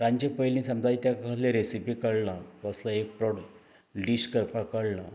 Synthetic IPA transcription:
ɾãɲd͡ʑepəjlĩsəmd͡zait̪jakaleɾesipikəɽlãəslaek̚pɾɔɽ | ɖiɕkəɾpakəɽla

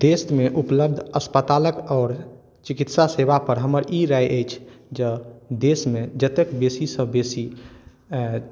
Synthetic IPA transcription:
d̪̥esmeʔupləb̚d̪ʱəspət̪aləkɔːɾ | t͡ʃikit̪sasebapəɾɦəməɾʔiɾajʔəjt͡ʃʰd͡ʒəd̪esmed͡ʒət̪ekbesisə̃besi

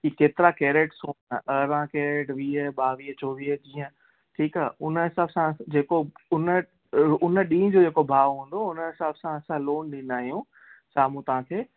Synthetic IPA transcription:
kikeːt̪ɪɾakeːɾeːʈsoːnaʔəɾãkeːɾeːʈʋiːəɓaːʋiːət͡ɕoːʋiːd͡ʑĩːə̃ | ʈʰiːkaːʊnɪsaːbsãd͡ʑeːkoʊnə | ʊnə̆ɗĩːd͡ʑoːd͡ʑeːkobʱaːʋoɦũːn̆d̪oʊnəsaːbsãɐsãloːnɗĩnd̪aːɦijũ | saːmũt̪ɐʋ̤ãːkʰeː

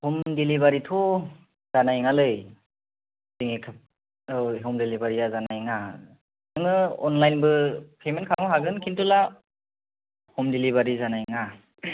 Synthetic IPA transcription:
humdilibaɾitʰɔ | z̥anajŋalɯj | ziŋekʰɯp̚ | ɦɔmdilibaɾijazanajŋa | nɯŋɯɔnlajnbɯpʰemenkʰaŋɔɦaɡɯnkʰintula | hɔmdiliβaɾizanajŋa

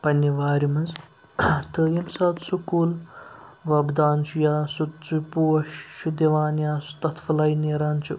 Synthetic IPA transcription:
pɐnʲːiʋaːɾimɐnz | t̪ɨjɐmsaːt̪sukuːl | ʋɐbd̪aːnt͡ʃʰujaːsut͡supuːɐʃʃud̪iʋaːnjaːsu̥t̪ɐt̪ʰfɐlɐjneːɾaːnt͡ʃʰu

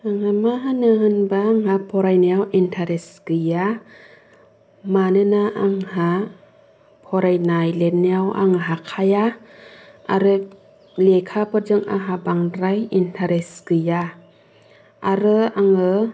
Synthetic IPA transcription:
aŋhamaɦanɯɦɯnbaːŋhapʰɔɾajniawintʰaɾɛsɡ̥ɯja | manɯnaaŋha | pʰɔɾajnajlenawa̰ŋɯɦakʰaja | a̰ɾɯ | lekʰapɔɾd͡ʒɯŋa̰ɦabaŋɾajintʰaɾesɡ̥ɯja | aɾɯaŋɯ

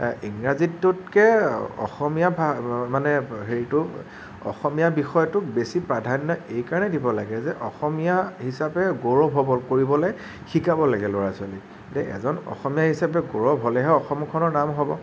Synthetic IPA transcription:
iŋɹazitːʊtkɛɔ̰xɔmijabʱamanɛɦeɹitʊ | ɔ̰xɔmijabixɔjɔtʊk̚besipɹadʱanjɔejkaɹanɛdibɔlaɡɛzɛʔɔxɔmijahisapɛɡoɹɔbʱɔbɔkoɹibɔlɔj | xikabɔlaɡɛloɹasʊali | lɛɛ̰zɔnɔ̰xɔmijaɦisapɛɡoɹɔbʱɔlɛɦɛɔxɔmɔkʰɔnɔɹnamɦɔbɔ

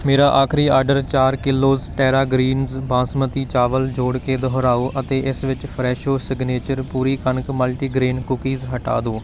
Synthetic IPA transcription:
meːɾaːʔaːkʰɾiːaːɾɖəɾt͡ʃaːɾkɪlːoːzʈɛːɾaːɡɾiːnzbãːsmət̪iːt͡ʃaːʋəld͡ʒoːɽkeːd̪ɔɦɾaːoːʔət̪eːʔɪsʋɪt͡ʃpʰɾɛːʃoːsɪɡneːt͡ʃəɾpuːɾiːkənəkməlʈiːɡɾeːnkʊkiːzɦəʈa̰ːd̪oː

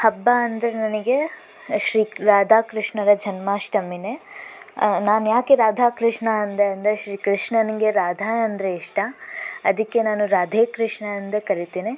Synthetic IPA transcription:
hɐbːaɐnd̪ɐɾenɐniɡe | ʃɾiːɾaːd̪ʱaːkɾiʂɳɐɾɐd͡ʒʱɐnmaːʃʈɐmine | naːnujaːkeɾaːd̪ʱaːkɾiʂɳɐɐnd̪eɐnd̪ɾeʃɾiːkɾiʂɳɐnɐɡeɾaːd̪ʱaːɐnd̪ɾeiʂʈaɐd̪ikːe̞naːnuɾaːd̪ʱeːkɾiʂɳɐɐnd̪ɐkɐɾit̪iːni

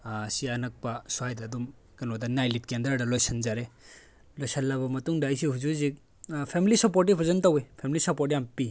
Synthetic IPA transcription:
sianɐk̚pasuajdɐːdum | kɐnɔdɐnajlit̚kendɐɾdɐlojsɐnzaɾe | lojsɐnlabɐmɐtuŋdaːjs̬ihuzuzi | pʰemilisɐpoɾt̬ipʰɐzɐntawepʰemilisɐpoɾt̬ijampi

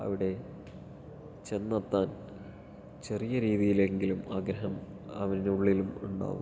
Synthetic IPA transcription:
ɐ̰ʋiɽe̞ | t͡ɕe̞nːɐt̪ːaːn | t͡ɕe̞rijɐɾiːðijile̞ŋɡilumaːɡɾɐɦɐm | ɐʋɐninuɭːilumuɳɖa̰ːʋṵm

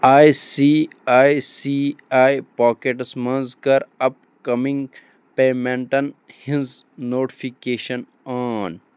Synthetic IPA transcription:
aːjsiːaːjsiaːjpaːkeʈsmɐnzkɐɾɐp | kɐmĩŋɡ | peːmẽɳʈɐnhĩnz | noːʈi̥fikeːʃɐn | aːn

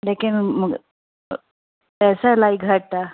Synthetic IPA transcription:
lekinməɡ | t̪asajlaiɡʱəʈ̚t̪a

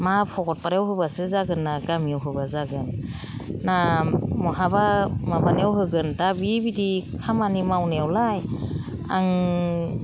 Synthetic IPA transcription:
mapʰɔɡɔt̚paɾawɦɯbasɯzaɡɯnːaɡamiawɦɯbazaɡɯnː | amɔɦabamabanawɦɯɡɯntabibidikʰamanimawnewlaj | a̰ŋ

